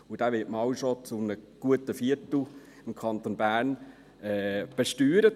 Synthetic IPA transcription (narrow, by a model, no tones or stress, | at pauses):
ʊd̥æːʋɪtmɑwʃot͡sʊmnəɡ̥uətəfiətl̩ | ɪmkʰɑnt̪onbæːɾn | ɛb̥eʃtyːɾə